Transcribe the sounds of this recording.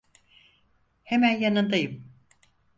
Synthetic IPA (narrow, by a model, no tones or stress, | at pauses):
hemænjanɯnd̪ajɯm